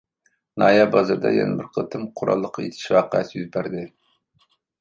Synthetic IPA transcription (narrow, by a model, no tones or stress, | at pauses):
nɑːjɑbɑzɨɾd̪ɑ̰jɛ̰nɪbɪɾqʰət̪ʰɨmqʰʊɾɑ̰lˠːəqʰːɑjet̪ʰɪ̥ʃwɑqæsjyzbæɾd̪ɪ